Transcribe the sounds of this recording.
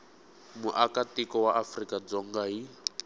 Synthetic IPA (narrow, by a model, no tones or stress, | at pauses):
muʔakatikɔwaʔafrikad͡zɔŋɡai